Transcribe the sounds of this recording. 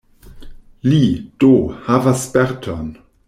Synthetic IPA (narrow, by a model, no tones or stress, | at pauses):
lid̥ohavaspɛʁtʰɔn